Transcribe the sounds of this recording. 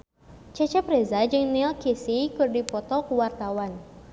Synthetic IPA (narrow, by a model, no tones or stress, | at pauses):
t͡ʃɛt͡ʃɛpɾɛzad͡ʒɨŋnilkisikɨrdipɔt̪ɔkuwart̪awan